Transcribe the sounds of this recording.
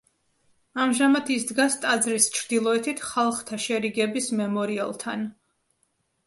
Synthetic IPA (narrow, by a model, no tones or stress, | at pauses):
amʒamat̪ʰisd̪ɡast̪ʼad̪zɾist͡ʃʰɾd̪ilˠɔɛt̪ʰit̪ʰχalˠχt̪ʰaʃɛɾiɡɛbismɛmɔɾia̰lˠt̪ʰan